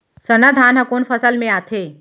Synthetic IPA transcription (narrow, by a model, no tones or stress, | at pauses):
sənad̪ʱaːnɦɐkoːnfʰəsəlmẽaːt̪ʰe